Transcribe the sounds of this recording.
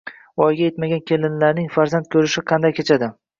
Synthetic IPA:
ɒjɡʲaje̞t̪maɡʲankʲʰe̞lɪnlaɾnɪŋfaɾzant̪̚kʰʲɵɾɪʃɪqʰɑnd̪ajkʲʰet͡ʃʰad̪ɪ

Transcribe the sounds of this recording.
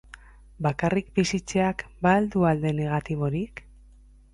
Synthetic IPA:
bakarikbisit͡se̞akbald̪uald̪e̞ne̞ɣ̞at̪iβ̞o̞ɾik

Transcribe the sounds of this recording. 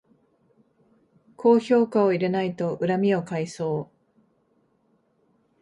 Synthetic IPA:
kʰo̞ːço̞ːkao̞iɾe̞nait̪o̞ʔɯ̟ɾamʲio̞kaiso̞ː

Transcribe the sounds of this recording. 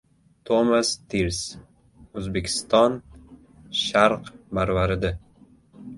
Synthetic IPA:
t̪ʰomast̪ʰiɾs | ɵzbekʲʰɪ̥st̪ɒn | ʃaɾqbaɾvaɾɪd̪a

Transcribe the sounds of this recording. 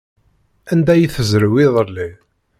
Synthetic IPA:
ænd̪æjiθəzɾəwiðˤəli

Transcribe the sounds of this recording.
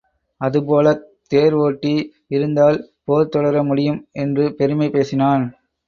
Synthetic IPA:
ɐðɯpoːlɐ | t̪eːɾʋoːʈːi | ɪɾɯnd̪aːlpoːɾt̪ːɔɽɐɾɐmʊɽɪjɯmʔɛndrɯpɛɾɯmɐɪpeːsɪnaːn

